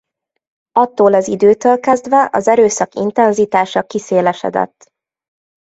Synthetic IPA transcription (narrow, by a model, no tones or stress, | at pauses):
ɒt̪ːoːlɛzid̪øːt̪øːlkɛzd̪ʋɛʔɒzɛɾøːsɒkḭnt̪ɛnzit̪aːʃɒkiseːlɛʃɛ̰d̪ɛ̰t̪ː